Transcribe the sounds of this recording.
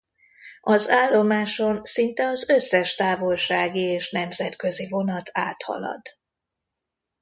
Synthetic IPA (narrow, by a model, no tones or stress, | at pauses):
ɒzaːlːo̞maːʃo̞nsint̪ɛɒzø̞sːɛʃt̪aːvo̞lʃaːɡieːʃnɛmzɛt̪kø̞zivo̞nɒt̪ʰaːt̪hɒ̰lɒ̰d̪